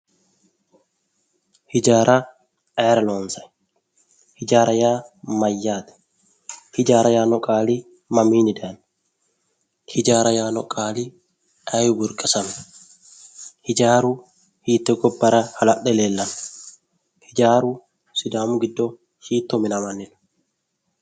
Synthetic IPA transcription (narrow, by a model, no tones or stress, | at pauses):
hɪd͡ʒaːɾʔɐ | ʔaːɾɐloːnsɐj | hɪd͡ʒaːɾɐjaːmɐjːaːt̪ɛ̥ | hɪd͡ʒaːɾɐjaːnɔkʼaːli | mɐmiːnɪd̪an | hɪd͡ʒaːɾɐjaːnɔkʼaːli | ajʊbʊɾkʼɪsɐm | hɪd͡ʒaːɾu | hiːt̪ːɛɡɔbːɐɾɐhɐlɐɗːɛleːlːɐm | hɪd͡ʒaːɾu | sɪd̪aːmʊɡɪd̪ːɔ | ʃiːt̪ːɔmɪnɐmɐnːɪn̥